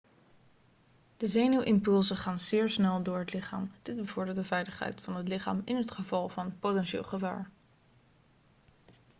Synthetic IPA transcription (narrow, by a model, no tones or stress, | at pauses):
d̥əzejnywʔɪmpɵlˠsəχaːnzɪːɹsnɛlˠdʊːɹɦətlɪχa̰ːmd̥ɪd̚bəvʊɹdɪːɹtdəvɛjləχɦɛ̰jtfɑnɦətlɪχa̰ːmɪnɦətχəvɑlˠvɑnpotɛnʃɪ̰ːlˠχəva̰ːɹ